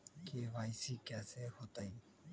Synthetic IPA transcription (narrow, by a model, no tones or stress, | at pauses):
keʋaːjsiːkɛːsehot̪aĩ